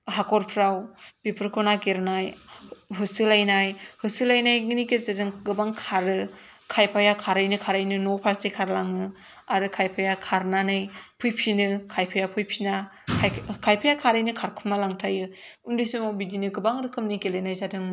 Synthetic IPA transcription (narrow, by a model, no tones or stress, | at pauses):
ɦakɔɾpʰɾawbipʰɯɾkʰɔnakeɾnajɦɯsɯlajnajhɯsɯlajnajɡnikezadɯŋɡɯbaŋkʰaɾɯ | kʰajpʰajakʰaɾɯjnɯkʰaɾajnɯnɔpʰaɾsekʰaɾlaŋɯ | aɾɯkʰajpʰajakʰaɾnanɯjpʰɯjpʰinɯkʰajpʰajapʰɯjpʰina | kʰajpʰajakʰaɾɯjnɯkʰaɾkʰumalaŋtʰajɯundɯsɯmawbidinɯɡɯbaŋɾɯkʰɯmnikelajnajzadɯŋmɯ